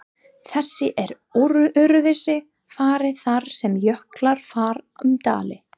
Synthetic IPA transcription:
θɛsːɪʔɛɾ | oɾʏʔʏɾʏvɪsɪ | faːɾɪθaɾ̥sɛmjœhklaɾ̥faːɾʏmt̪a̰ːlɪ

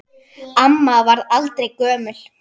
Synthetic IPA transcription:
amːavaɾðalt̪ɾejkœːmʏl̥

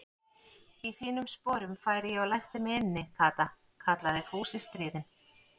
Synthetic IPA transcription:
iθiːnʏmspɔːɾʏmfaːjɾɪjɛawlajst̪ɪmɪɪnːɪkʰaːt̪a | kʰat̪laðɪfuːsɪst̪ɾiːðɪn

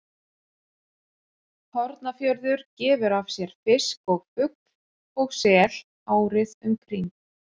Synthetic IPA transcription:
hɔɾt̪nafjœɾðʏɾ̥cɛːvʏɾavsjɛɾ̥fɪskɔɣʏk̪̚ | ɔɣsɛːl̥ | aːwɾɪðʏmkʰɾiŋk

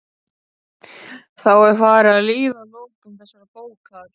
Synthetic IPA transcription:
θawɛɾ̥faːɾaaðliːðaloːwkʏmθɛsːaɾpoːwkað̥

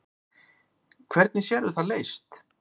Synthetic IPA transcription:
kʰvɛɾt̪nɪsjɛɾʏθaðleːjst̪

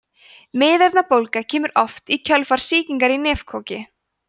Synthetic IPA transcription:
mɪːðɛɾt̪napowlkacʰɛːmʏɾʔɔft̪icʰœlfaɾ̥siːciŋkaɾinɛːfkʰɔcɪ

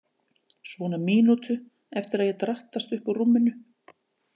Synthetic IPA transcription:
svɔːnamiːnut̪ʏ | ɛft̪ɪɾaðjɛt̪ɾaht̪ast̪ʏhpawrumːɪnʏ

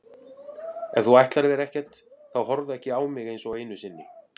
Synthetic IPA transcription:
ɛ̰nθuajht̪laɾvɛɾɛhcɛt̪θawhɔɾðʏɛhcɪaːwmɪɣejnsɔɣejnʏsɪnːɪ

